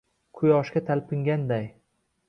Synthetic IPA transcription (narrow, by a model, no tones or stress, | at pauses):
kʰʊjɒʃkʲat̪ʰalpʰɪŋɡʲand̪aj